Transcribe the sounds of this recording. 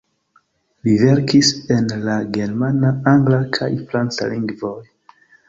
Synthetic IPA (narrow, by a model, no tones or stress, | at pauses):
live̞ɾkisenlaɡe̞ɾmanaaŋɡlakʰa̰jfɾant͡sa̰liŋɡvoj